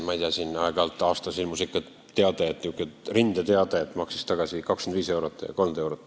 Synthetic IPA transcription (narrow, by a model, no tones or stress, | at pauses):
mɑijt̪iɑsinɑeɡ̥ɑlt̪ːˑɑːst̪ɑsilmusikːˑɑt̪ | t̪ːeɑd̪̥et̪ːukːˑet̪rind̪̥ɑt̪e̞ɑd̪̥et̪ːˑmɑksi̥st̪ɑɡ̥ɑsikɑkskend̪viːse̞uwɾot̪ːˑjɑ̰ko̞lmd̪e̞wɾot̪ːˑ